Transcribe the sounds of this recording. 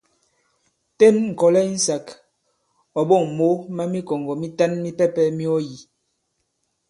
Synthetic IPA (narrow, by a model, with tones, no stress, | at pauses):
te˦˨nŋ̩˨kɔ˨lɛ˦n̩˦sa˨k | ɔ˨ɓo˦˨ŋ˨mo˦ma˦mi˦kɔ˨ŋ˨ɡɔ˨mi˦ta˦nmi˦pɛ˦pɛ˦mi˦ɔ˦ji˨